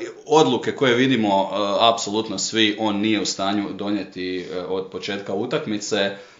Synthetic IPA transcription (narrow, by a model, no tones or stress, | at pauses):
o̞d̪luke̞ko̞je̞ʋid̪imo̞apso̞lut̪nosʋiʔo̞ːnːije̞ust̪aːɲud̪o̞nje̞t̪iod̪̚pot͡ʃe̞ːt̪kaut̪akmit̪se̞